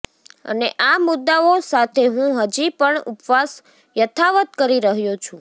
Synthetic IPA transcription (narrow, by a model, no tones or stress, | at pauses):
ə̰neʔamʊd̪ːaosat̪ʰeɦũɦəd͡ʒipəɳupʋas | jət̪ʰaʋət̪kəɾiɾəɦjot͡ʃʰũ